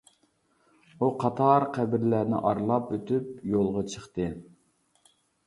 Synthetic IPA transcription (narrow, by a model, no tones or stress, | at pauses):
uqʰɑt̪ʰɑɾqʰæbɪɾlænɪ̰ʔɑɾlˠɑpøt̪yp̚jolˠʁɑt͡ʃʰəχt̪ɨ